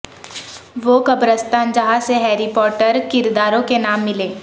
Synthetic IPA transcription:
ʋoːkɐbɾəst̪aːnd͡ʒɐɦaseɦɛːɾipɔːʈəɾkɪɾd̪aːɾõkenaːmːɪleː

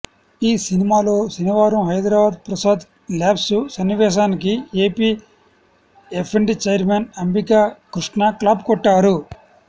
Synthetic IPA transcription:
iːsinimaːloːsiniʋaːɾɐmɦɐjd̪ɾaːbaːd̪pɾɐsaːd̪ | laːpsusɐnːiʋɛːʃ̬aːnikieːpiː | epʰeɳɖit͡ʃejɾmenɐmbikaːkɾiʂɳaklaːb̚kɔʈːaːɾu

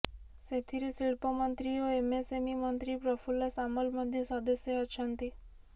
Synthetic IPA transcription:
set̪ʰiɾisilpɔmɔnt̪ɾioemesemimɔnt̪ɾipɾɔpʰulɔsamolmɔd̪ʱjesɔd̪ɔsjeɔt͡ʃʰɔnt̪i

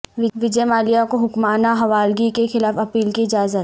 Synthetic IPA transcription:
ʋɪʋɪd͡ʒemaːlijakoɦʊkmaːnaɦɐʋaːlɡikexɪlaːfɐpiːlkiɪd͡ʒaːzət̪

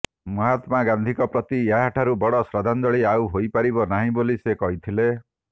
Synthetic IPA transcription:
mɔɦat̪maɡand̪ʱikɔpɾɔt̪ijaɦaʈʰaɾubɔɽɔsɾad̪ʱand̪ɔɭiawɦojpaɾibɔnaɦĩbolisekɔɦit̪ʰile

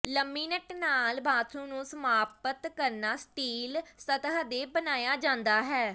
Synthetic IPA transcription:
ləmːiːnəʈnaːlbaːt̪ʰũːnũːsəmaːpət̪kəɾnaːsʈiːlsət̪ɦd̪eːbənaːjaːd͡ʒãːnd̪aːɦɛː

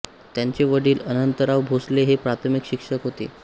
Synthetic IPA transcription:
t̪jaɲt͡ɕeʋəɽiːlənənt̪əɾaʋbʱosleɦepɾat̪ʰəmikɕikʂəkɦot̪ḛ

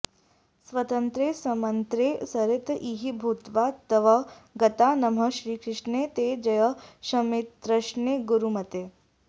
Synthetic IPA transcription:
sʋɐt̪ənt̪ɾeːsɐmɐnt̪ɾeːsɐɾet̪iɦibʱut̪ʋat̪ɐʋɐɡɐt̪anɐm̤əʃɾiːkʰɾɪʂnet̪ed͡ʒɐjəʃɐmit̪ɾɐʃneːɡuɾumɐt̪eː

